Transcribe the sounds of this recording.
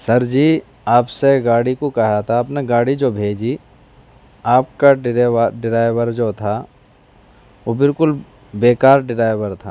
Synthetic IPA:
sɐɾd͡ʒiː | aːpseɡaːɽikokɛɦat̪ʰaɐpneɡaːɽid͡ʒoːbʱeːd͡ʒi | aːp̚kaɖɪɾʋəɖɪɾaːɪʋəɾd͡ʒoːt̪ʰa | ʋobɪlkʊl | beːkaːɾɖɪɾaːɪʋəɾt̪ʰaː

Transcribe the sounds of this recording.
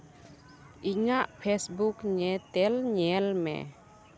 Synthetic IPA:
iɲaʔpʰesbukɲɛt̪ɛlɲɛlmɛ̰

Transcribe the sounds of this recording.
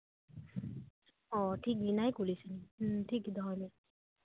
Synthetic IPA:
ɔtʰik̚ninajkulisɯnitʰikd̪ʱɔɹni

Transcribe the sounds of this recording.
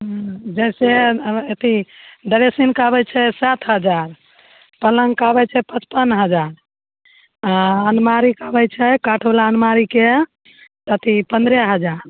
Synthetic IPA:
ɦd͡ʒəseet̪id̪əɾesinkabɛt͡ʃʰɛsat̪ʰɦəd͡ʒaɾ | pələŋɡkabɛt͡ʃʰɛpət͡ʃpənɦəd͡ʒaɾ | aənmaɾikabɛt͡ʃʰɛkaʈʰolaənmaɾike | t̪ət̪ipənd̪ɾɛɦəd͡ʒaɾ

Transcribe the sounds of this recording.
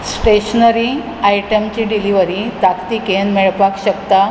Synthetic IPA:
sʈeɕnəɾi | ajʈəmt͡ɕiɖiliʋəɾit̪akt̪ikenmeɭpakɕəkt̪a

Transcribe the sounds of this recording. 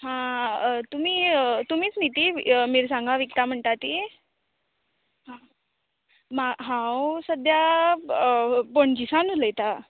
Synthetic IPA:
ɦãt̪um̤iːt̪um̤iːt͡snit̪imiɾsãŋɡaʋikt̪am̤əɳʈ̪at̪i | ɦã | maɦãwsəd̪ja | poɳd͡ʑisanuləjt̪a

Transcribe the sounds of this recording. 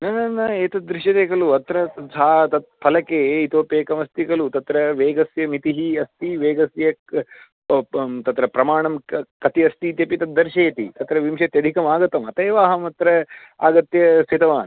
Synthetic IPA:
nɐnɐnːɐeːt̪ɐd̪ɾiʃjɐd̪eːkɐluɐt̪ɾɐsaːt̪ɐt̪̚pʰɐlɐkeːit̪ɐʋɐpeːkɐmɐst̪ikɐlut̪ɐt̪ɾɐʋeːɡɐsjɐmit̪iɦiɐst̪iʋeːɡɐsjɐ | t̪ɐt̪ɾɐpɾɐmaːɳɐmkɐt̪iɐst̪it̪jɐpit̪ɐd̪ɐɾʃeːt̪ḭt̪ɐt̪ɾɐʋimʃɐt̪jɐd̪ʱikɐmaːɡɐt̪ɐmɐt̪ɐːʋaːɦɐmɐt̪ɾɐ | a̰ːɡɐt̪jɐsit̪ɐʋaːn

